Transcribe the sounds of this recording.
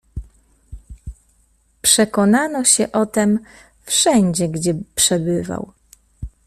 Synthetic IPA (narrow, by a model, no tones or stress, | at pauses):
pʂɛkɔnanɔɕɛʔɔt̪ɛm | fʂɛɲd͡ʑɛɡd͡ʑɛpʂɛbɘva̰w